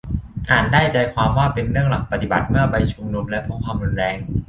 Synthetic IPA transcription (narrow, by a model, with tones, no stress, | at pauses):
ʔaː˨˩ndaː˥˩jt͡ɕa˧jkʰwaː˧mwaː˥˩pe˧nɾɯ˥˩əŋla˨˩k̚pa˧t̪i˨˩ba˨˩t̪̚mɯ˥˩ɐba˧jt͡ɕʰu˧mnu˧mlɛ˦˥pʰo˦˥nkʰwaː˧mɾu˧nɾɛː˧ŋ